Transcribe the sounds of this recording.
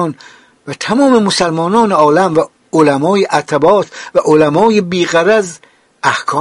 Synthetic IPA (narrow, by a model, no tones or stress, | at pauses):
n | væt̪ʰæmɒːmemosælmɒːnɒːneɒːlæmvæ | olæmɒːjeʔæt̪ʰæbɒːt̪ʰvæʔolæmɒːjebiːɣæɾæz | ʔæhkʰɒː